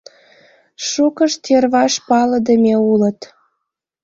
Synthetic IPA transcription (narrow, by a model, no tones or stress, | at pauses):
ʃukəʃt̪erβɑʃpɑləd̪əmʲeulət̪